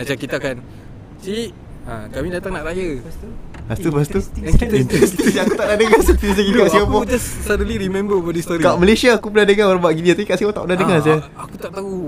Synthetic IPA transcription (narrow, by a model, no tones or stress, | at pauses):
mat͡ʃakit̪akan | si | ãkamĩdat̪aŋnaʔɾajə | bast̪ubast̪uint̪ɾɛst̪isakut̪aʔnahdəŋast̪isikikaʔsiapɔd͡ʒassɔdəliɾimɛ̃mbəwɔdist̪oɾikaʔməlesiaːkupəladəŋãoɾabaʔɡidiat̪apikaʔsiat̪a̰ʔpudahdəŋasa | akut̪aʔt̪au